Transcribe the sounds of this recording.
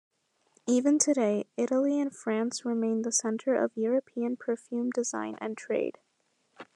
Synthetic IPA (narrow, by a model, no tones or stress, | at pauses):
ivɨ̃ntʰɨɾeɪɪɾl̩ˠiɨ̃nfɹæ̃nsɹɨmẽɪ̃nðəsɛ̃ntʰə˞ʔʌ̰vjʊɹɨpʰiɨ̃npʰə˞fjʉ̃mdɨzã̰ɪ̃nʔɨ̰̃ntʰɹ̥ḛɪd̥